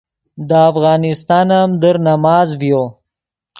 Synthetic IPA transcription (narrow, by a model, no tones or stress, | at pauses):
d̪əːfɣɑːnɪst̪ɑːnamd̪əɾnamɑːzvjo